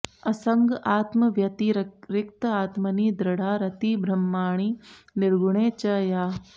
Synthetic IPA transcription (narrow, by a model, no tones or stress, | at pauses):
ɐsɐŋɡaːt̪mɐʋjɐt̪iɾɪkt̪ɐaːt̪mɐniːd̪ɾɐɽ̤ʱaːɾɐt̪iːbʱɾɐmːaːɳ̃iː | nɪɾɡuɳ̃eːt͡ʃɐjaː